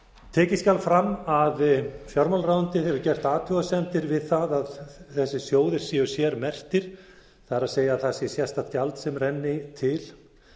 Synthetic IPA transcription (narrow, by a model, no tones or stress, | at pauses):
t̪ʰɛːcɪscalfɾamːaðfjɔɾmalraːwʏnt̪ɪhɛvʏɾcɛr̥t̪aːt̪ʰʏɣasɛnt̪ɪɾvɪðθaðaðθɛsːɪsjoːwðɪɾ̥siːʏsjɛɾmɛr̥t̪ɪɾ̥ | θaɾaðseːjaðθasɪsjɛst̪at̪calt̪sɛmrɛnːɪt̪ʰɪl